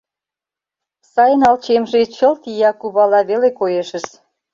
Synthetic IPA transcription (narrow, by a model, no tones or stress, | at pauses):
sɑjənɑlt͡ɕemʒet͡ɕə̆lt̪ijɑkuβɑlɑβelekojeʃə̆z